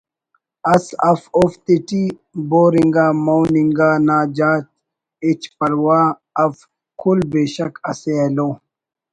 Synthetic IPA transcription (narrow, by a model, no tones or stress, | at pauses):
ɐsɐfoft̪iʈi | boːɾiŋɡaːmowniŋɡaːnaːd͡ʒaːt̪̚ | it͡ʃpɐlwaː | ɐf | kʰulbeːɕɐkɐseloː